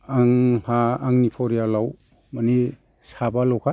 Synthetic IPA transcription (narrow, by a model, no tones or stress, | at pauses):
aŋhaːŋnipʰɔɾijalaw | mani | sabalɔwkʰa